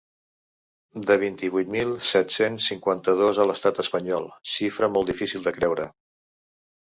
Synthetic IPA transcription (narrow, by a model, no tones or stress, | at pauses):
d̪əβ̞int̪iβujt̪milˠsɛt̪sensːiŋkwant̪əð̞ozələst̪at̪əspəɲɔlˠʃifɾəmɔlˠd̪ifisilˠd̪əkɾɛwɾə